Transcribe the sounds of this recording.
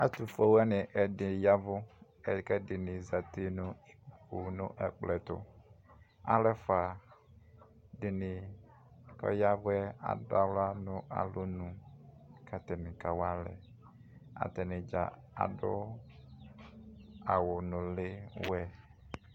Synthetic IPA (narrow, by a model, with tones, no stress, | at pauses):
a˦t̪u˨fo˦wɛ˦nɪ˨ʔɛ˨dɪ˨ja˦vʊ˦ | ɛ˨˦kɛ˦dɪ˨nɪ̃˨za˨t̪ɪ˦nʊ̃˦˨ku˨nʊ̰̃˦ʔɛ˨k͡plɛ˨t̪ʊ̰˨ | a̰˨lɛ˦fa˨ | dɪ˨nɪ˨ | kɔ̰˦ja˦vʊ˦ɛ˦a̰˨da˦wla˦nʊ̃˦ʔa̰˨lo˦nũ˨ | kʰa˨t̪ɛ˨nɪ̃˨ka˨wa˦lɛ̰˨ | a̰˨t̪ɛ˨nɪ̃˨d͡ʒa̰˨ | a̰˨dʊ˦ | a˨wʊ˨nʊ̃˨lɪ˦wɛ˦